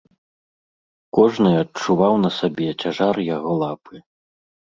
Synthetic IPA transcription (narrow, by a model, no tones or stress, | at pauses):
kɔʐnɨɐt͡ʂːuvawnɐsabʲɛt͡sʲaʐarjaɣɔlˠapɨ